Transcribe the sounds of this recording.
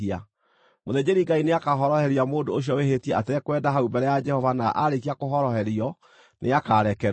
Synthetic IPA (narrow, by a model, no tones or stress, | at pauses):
ia | moðed͡ʑeɾiŋɡaineakaɦɔɾɔhɛɾiamoːndoːɕ̬iɔwehetijɛʔateɛkwɛdaɦaubɛɾɛjad͡ʒɛhɔvanaʔaɾekiakoɦɔɾɔhɛɾiɔ | nʔḛakaɾɛkɛɾ